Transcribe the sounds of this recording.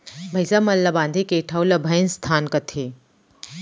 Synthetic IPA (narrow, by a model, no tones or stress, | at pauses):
bʱɐjsamɐlːabãnd̪ʱikeʈʰawlɐbʱəjnst̪ʰaːnkɐt̪ʰe